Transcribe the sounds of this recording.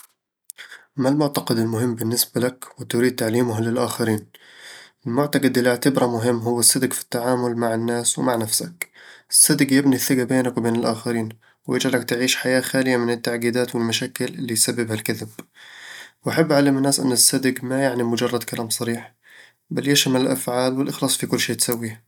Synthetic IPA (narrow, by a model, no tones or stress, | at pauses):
malmʊʕt̪ɑqɪd̪ɪlmʊɦɪmːbɪnːɪsbalakwɪt̪ʊɾiːd̪̚t̪aʕliːmʊɦlɪlʔaːxaɾiːn | ʔɪlmʊʕt̪ɑqɪd̪ʔɪlːɪʕt̪ɪbɾˤɑmʊɦɪmːɦʊwːasːad̪ɡfi̥t̪ːaʕaːmʊlmaʕɪnːaːswɪmaʕnafsa̰kʔɪsːad̪ɪɡjɪbniθːɪɡabeːnakwɪbeːnɪlʔaːxaɾiːn | wjɪd͡ʒʕalakt̪ɪʕiːʃħajaːxaːlɪjamɪnɪt̪ːaʕɡiːd̪aːt̪wɪlmaʃaːkɪlʔɪlːisabːɪbhalkaðɪb | wʔaħabːʔʕalɪmɪnːaːsʔɪ̰nːɪsːad̪ɪɡmajaʕnimʊd͡ʒɑrˤːɑd̪kalaːmsˤɑɾiːħ | baljaʃamɪnɪlʔafʕaːlwɪlʔɪxlɑːsˤfikʊlːʃeːt̪sawːi